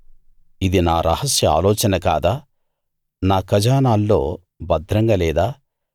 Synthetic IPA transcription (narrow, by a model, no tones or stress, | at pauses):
id̪inaːɾɐhɐsjɐa̰ːlɔːt͡ʃɐnɐka̰ːd̪aː | naːkɐd͡ʒaːnaːlːo̞ː | bɐd̪ʱɾɐŋɡɐlɛːd̪aː